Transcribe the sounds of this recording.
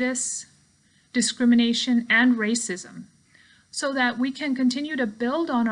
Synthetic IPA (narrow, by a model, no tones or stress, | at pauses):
ɾɨs | d̥ɨskɹɪ̃mɨneɪʃɨ̃nɨ̃nɹeɪsɪzə̰̃m | soʊðɨʔ̚wikʰɨ̃nkɨ̃ntʰɪ̃njʉɾɨbɪlˠdn̩